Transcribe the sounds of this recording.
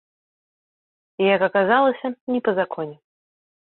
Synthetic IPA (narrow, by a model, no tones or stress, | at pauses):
ijɐkɐkazalˠɐsʲɐnʲɛpɐzakʰɔnʲɛ